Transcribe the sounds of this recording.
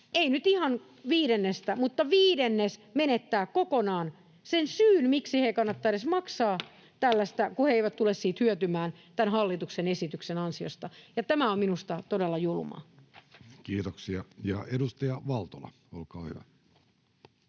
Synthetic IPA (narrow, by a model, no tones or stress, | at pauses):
einyt̪ihɑn | ʋiːɾenːest̪æmut̪ːɑʋiːdenːesmenet̪ːæːkkokonɑːn | sensyːnmiksihekɑnːɑt̪ːɑiɾesmɑksɑː | t̪ælːæst̪ækuheeiʋæt̪t̪ulessiːt̪hyøt̪ymæːn | t̪ænhɑlːit̪uksenesit̪yksenɑnsio̰st̪ɑjɑt̪æmæomminust̪ɑt̪odelːɑjulumɑ̰ | kiːt̪oksiɑjɑedust̪ɑjɑʋɑlt̪olɑ̰ | o̰lkɑ̰ːhyʋæ